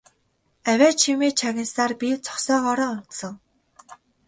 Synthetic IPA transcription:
æwʲæːt͡ɕʰimeːt͡ɕʰaɣʲɪ̆nsaːrpʲit͡sʰɔ̥χsɔːɣɔːɾɔːʊn̥t̪sɞ̆ŋ

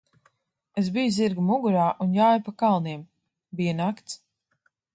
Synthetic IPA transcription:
esbijziɾɡumuɡuɾaːʔunjaːjpakalˠniɛm | biɛnakt̪s

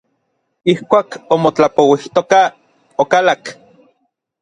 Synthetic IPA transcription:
ihkʷaːkomot͡ɬapowiht̪oka | okalak

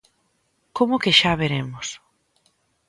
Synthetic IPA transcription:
komʊkɪʃaβ̞eɾemʊs

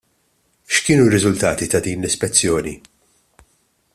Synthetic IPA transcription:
ʃkɪːnuɾɪzʊlt̪ɐːt̪it̪ɐd̪iːnlɪspɛt͡sːjɔːni

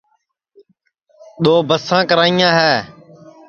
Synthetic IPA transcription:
ɗ̪oːbəsãːkəɾaːijãːɦɛː

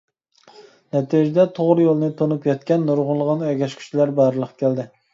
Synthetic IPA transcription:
nɛt̪ʰid͡ʒɛd̪ɛt̪ʰoʁɾɨjolˠnɨt̪ʰonupjɛt̪̚kʲɛnːoɾʁʊnlˠəʁɑnɛɡʲɛʃkʲʰy̥t͡ʃilæɾbɑɾlˠəqʰkʲæld̪ɪ

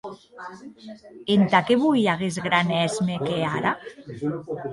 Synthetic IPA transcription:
ent̪akeβujaɣezɣɾanɛzmekeaɾa

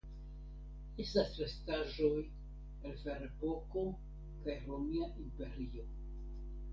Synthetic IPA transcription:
estasɾestaʒoj | elfeɾebo̞ko | kajɾomiaʔimpe̞ɾio

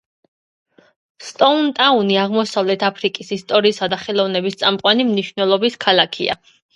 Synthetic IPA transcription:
st̪ʼɔnt̪ʼauniaʁmɔsavlɛt̪ʰapʰɾikʼisist̪ʼɔɾiːsad̪aχɛlˠɔvnɛbist̪sʼamqʼwanimniʃvnɛlˠɔbiskʰalˠakʰḭa̰

